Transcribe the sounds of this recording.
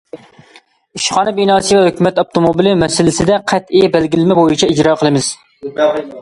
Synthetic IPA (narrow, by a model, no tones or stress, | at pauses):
yʃχɑːnɨbinɑːsɨvɛhøkʲymɛt̪op̚t̪ʰomobilɪmɛsɪlɪsɪd̪ɛqʰæt̪ijbælɡʲilɪmɛbojit͡ʃʰɛid͡ʒɾɑqʰəlˠɨmɪz̥